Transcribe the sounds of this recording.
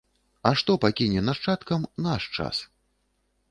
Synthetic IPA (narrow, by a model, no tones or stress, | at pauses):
ɐʂt̪ɔpakʲinʲɛnaʂt͡ʂat̪kɐmnaʂt͡ʂa̰s